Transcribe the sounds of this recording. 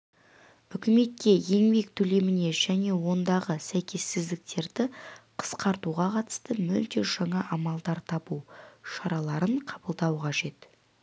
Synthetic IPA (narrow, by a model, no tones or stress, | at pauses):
ʏkʲɪme̞t̪̚kʲe̞je̞ŋbe̞kt̪ʰɵle̞mɪne̞ʒ̥æne̞wo̞nd̪ɑʁəsæjkʲʰe̞sːɪzd̪ɪk̚t̪e̞ɾd̪ɪqʰə̥sqɑɾt̪uʁɑqʰɑt̪ə̥st̪əmʏlt̪e̞ʒ̥ɑɴɑʔɑmɑlˠd̪ɑɾt̪ʰɑpuʃɑɾɑlˠɑɾəɴqʰɑbəlˠd̪ɑwqʰɑʒe̞t̪